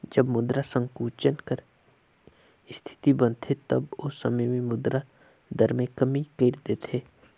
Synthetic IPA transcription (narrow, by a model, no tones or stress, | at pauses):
d͡ʒɐbmʊd̪ɾasə̃ŋɡkuːt͡ʃənkəɾ | ɪst̪ʰɪ̥t̪ibə̃nt̪ʰet̪ɐbosɐməjmẽmʊd̪ɾa | d̪əɾmẽkɐmikeːɾd̪eːt̪ʰeː